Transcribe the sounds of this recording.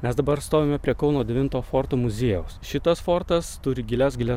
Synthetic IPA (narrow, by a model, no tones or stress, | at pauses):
mʲɛsd̪ɐbɐɾst̪oːʋʲeːmʲɛpʲɾʲiɛkɒʊnoːd̪ʲɛʋʲɪnt̪oːfoːɾt̪oːmʊzʲeːjɛʊsʃʲɪt̪ɐsfoːɾt̪ɐst̪ʊɾʲɪɡʲɪlʲɛsɡʲɪlʲɛ